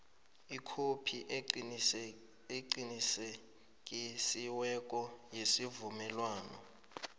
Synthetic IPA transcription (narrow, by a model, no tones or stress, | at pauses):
ikʰopʰi | eǀinise | kʼisiwɛkʼɔjesivumɛlwaːnɔ̰